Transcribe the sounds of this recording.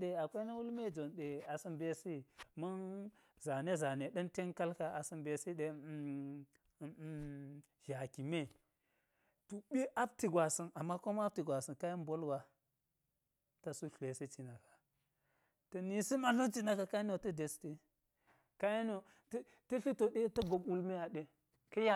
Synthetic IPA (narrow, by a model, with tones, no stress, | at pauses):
ɗe˨a˨kʷe˦na˦wu˦lme˦˨d͡ʒo˨nɗe˨a˨si˦mbe˨si˦ma˦n | za˨ne˦za˨ne˨ɗɐ˦nte˦nka˦lka˦a˨si˨mbe˨si˦ɗe˨ | ʒa˨ki˨me˦˨ | tu˨ɓi˦ʔa˦b̚ti˨ɡʷa˨si˨na˨mːa˦ko˦m˦a˦b̚ti˨ɡʷa˨si˨nka˦ji˦nbo˦lɡa˦ | ta˨su˦ɬʷe˨si˦t͡ʃi˨na˨kḁ˨ | tɐ˨ni˨si˦ma˨lo˦t͡ʃi˦na˨ka˨ka˦i˦no˨tɐ˦de˨ste˦ | ka˦ji˦no˨ | t | tɐ˦ɬi˦to˨ɗe˦tɐ˦ɡo˨mu˦lme˦a˨ɗe˦ | kɐ˦ja˦